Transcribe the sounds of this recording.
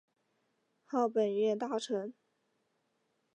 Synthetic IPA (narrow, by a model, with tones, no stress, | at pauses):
xɑ˥˩ʊpə˨˩nɥɛ˥˧nt̪a˥˩ʈ͡ʂʰə˧˥ŋ